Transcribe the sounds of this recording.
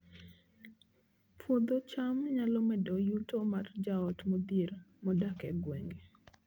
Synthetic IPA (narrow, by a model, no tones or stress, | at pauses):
pwod̪ot͡ʃamɲalɔmɛdɔjutomard͡ʒaɔtmod̪iɾmɔdakɛɡweŋɡe